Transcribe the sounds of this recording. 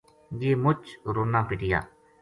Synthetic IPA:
ɡiːmʊt͡ʃɾʊnːãːpɪʈɪja̰ː

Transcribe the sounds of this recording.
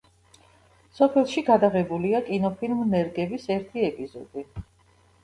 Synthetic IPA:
sɔpʰɛlˠʃiɡad̪aʁɛbuliakʼinɔpʰilmnɛɾɡɛbisɛɾt̪ʰiɛpʼizɔ̰d̪̥i

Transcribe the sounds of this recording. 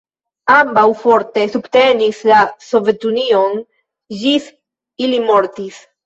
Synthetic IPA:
ambawfoɾt̪esubt̪enislasovet̪union | ʒis | ilimoɾt̪is

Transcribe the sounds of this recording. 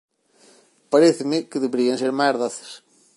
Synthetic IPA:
paɾeθɪmekɪðeβeɾianseɾmajaɾðaθe̥s

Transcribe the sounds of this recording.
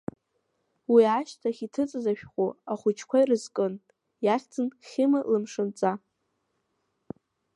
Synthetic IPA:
wiaʃtʰaχʲitʰɨt͡sʼɨzaʃᶣχʷʼuaχʷʊt͡ʃʰkʷajrɨzkʼɨn | jaχʲtʰɨnχʲɪmalɨmʂɨnt͡sʼa

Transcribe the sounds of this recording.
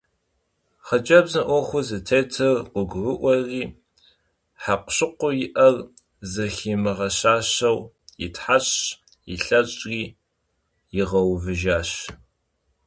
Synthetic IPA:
χɐt͡ʃʼɐbzɨʔʷɔχʷʊzɨtʰeːtʰɨrqʷʊɡʷʊrɨʔʷɔriː | ħaqʷɕɪqʷʊjɪʔɐr | zɐxiːmɨʁɐɕaːɕɐw | jɪ̰tʰħaɕ | jɪɬɐɕʼriː | jɪʁɐwvɨʒaːɕ

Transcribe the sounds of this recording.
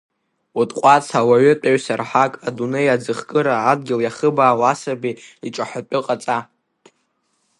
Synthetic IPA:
utʼqʷʼat͡sʰawaɥʏtʷʼaɥsarħakʼadunejad͡zɨχkʼɨɾaːd̚ɡʲɪljaχəbaːwasabiiʈ͡ʂʼaħʷapʼʊqʼat͡sʼa

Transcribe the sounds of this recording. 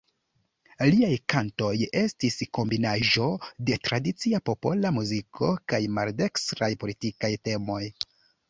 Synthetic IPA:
liajkanto̞je̞stisko̞mbinaʒo̞de̞tɾadit͡siapo̞po̞lamuzikʰo̞kajmalde̞kstɾajpo̞litikajte̞mo̞j

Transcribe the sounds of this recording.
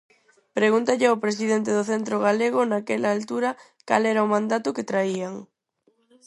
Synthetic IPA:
pɾeɣunt̪aʎɪaopɾes̬iðent̪eðʊθɛnt̪ɾoɣ̞aleɣʊnakɛlaːlt̪uɾɐ | ka̰lɛɾaomãnd̪at̪ʊket̪ɾaiaŋ

